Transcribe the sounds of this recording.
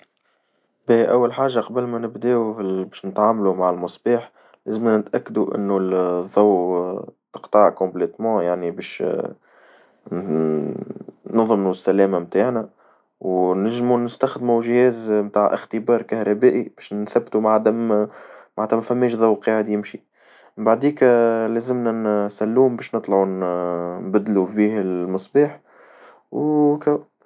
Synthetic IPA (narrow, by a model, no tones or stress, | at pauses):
bɛʔæwːalħaːʒːaqɑbəlmænɪbd̪ɛːubɛːʃnɪt̪ʕaːmlumaʕalmɑsˤbiːħ | læzmænɪt̪ʔækːd̪uʔɪ̰nːuðˤːɑw | t̪ə̥qt̪ˤɑʕkɔ̃mblɛt̪mɑ̃jaʕnibɛːʃ | nɑðˤmusːælæːmamt̪aːʕnæ | wnæʒːmunɪst̪æxd̪muʒhɛːzmt̪aːʕʔɪ̰xt̪ɪbɑːɾˤkahɾˤɑbæːʔib̥ɛːʃθæbːt̪umaʕd̪æmmaʕat̪æmæfæmːɛːʃðˤɑwqɑːʕɪd̪jɪmʃi | baʕd̪iːklæːzɪmnænsælːuːmbɛːʃnɨt̪ˤlɑʕu | nbæd̪lubiːhlmɨsˤbiːħ | wkæw